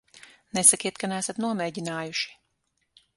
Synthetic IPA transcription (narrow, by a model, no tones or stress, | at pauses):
nɛsakiɛt̪̚kanæːsat̪nuɔmɛːɟinaːjuʃi̥